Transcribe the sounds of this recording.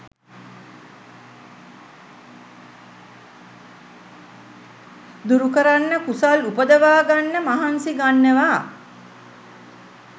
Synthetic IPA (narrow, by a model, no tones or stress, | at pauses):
d̪uɾukəɾanːəkusalupəd̪əʋaːɡanːəmaɦansiɡanːəʋaː